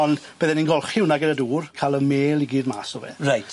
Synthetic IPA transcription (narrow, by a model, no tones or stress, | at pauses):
ɔnb̥əːðɛninɡɔlˠχɪwnaɡənəduːrkʰalˠəmeːlˠiɡiːdma̰ːsɔvɛ̰rajtʰ